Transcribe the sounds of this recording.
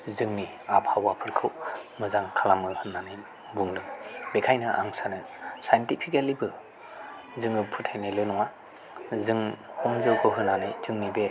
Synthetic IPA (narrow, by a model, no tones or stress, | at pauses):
zɯŋni | ap̚hawapʰɯɾkʰɯwmɯzaŋkʰalamɯhɯnːanɯj | buŋdɯŋbekʰajnɯʔa̰ŋsanɯ | sajntipʰikelibɯ | zɯŋɯpʰɯtʰajnɯlɯnɔŋa | zɯŋhɔmzɯwkʰɯɦɯnːanɯjzɯŋnibe